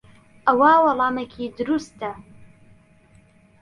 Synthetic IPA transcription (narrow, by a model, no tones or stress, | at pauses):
ʔɐwawɑlˠɑːmekʰid̪ʊɾust̪ɐ